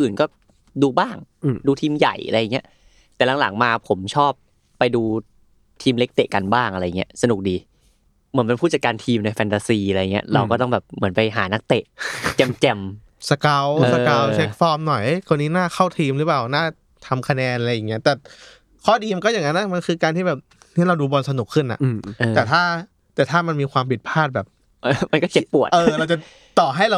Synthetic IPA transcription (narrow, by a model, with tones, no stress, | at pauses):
ʔɯː˨˩nkɔː˥˩ | duː˧baː˥˩ŋduː˧t̪ʰiː˧mja̰˨˩jʔa̰˧ɾa˧jːŋi˦˥ɐ | t̪ɛː˨˩la˩˦ŋla˩˦ŋmaː˧pʰo˩˦mt͡ɕʰɔː˥˩pː | a˧jduː˧ | t̪ʰiː˧mle˦˥k̚t̪ḛ˨˩ʔka˧nbaː˥˩ŋʔa˧ɾa˧jːa˨˩ŋḭ˦˥əsa˧nu˨˩k̚diː˧ | mɯ˩˦npe˧pʰuː˥˩t͡ɕa˨˩kaː˧nt̪ʰiː˧mna˧jfʰɛ˧nt̪aː˧siː˧a˧ɾa˧ja˨˩ŋː˩i˦˥ɐɾa˧wkɔː˥˩t̪ɔ˥˩bɛː˨˩p̚mɯ˩˦ənpa˧jɦaː˩˦na˦˥k̚t̪e˨˩ʔt͡ɕɛ˧mt͡ɕɛ˧m | sa˧ka˦˥wsa˧ka˦˥wt͡ɕʰe˦k̚fɔː˧˥˩mnɔ˨˩jʔjkʰo˧nːiː˦˥naː˥˩xʰa˥˩wt̪ʰiː˧mɾɯ˦˥paː˨˩wnaː˥˩ | t̪ʰa˧mkʰa˧nɛː˧nʔa˧jːaː˨˩ŋːi˦˥ɐt̪ɛː˨˩ | kʰɔː˥˩diː˧ma˧nkɔː˥˩ja˨˩ŋa˦˥nːa˦˥ma˧nkʰɯː˧kaː˧nt̪ʰiː˥˩bɛː˨˩p̚ | nʰi˥˩ɾa˧wduː˧bɔ˧nsa˧nu˨˩kʰːɯ˥˩nʔa̰˨˩ʔʔt̪ːɛː˨˩t̪ʰaː˥˩ | t̪ɛː˨˩t̪ʰaː˥˩ma˧nmiː˧kʰwaː˧mpʰi˨˩t̪̚pʰaː˥˩t̪̚bɛː˨˩p̚ | ʔma˧nkɔː˥˩ke˦˥pːu˨˩ət̪ʔɤː˧ɾa˧wt͡ɕa˨˩ | t̪ɔː˨˩ɦa˥˩jɾa˧w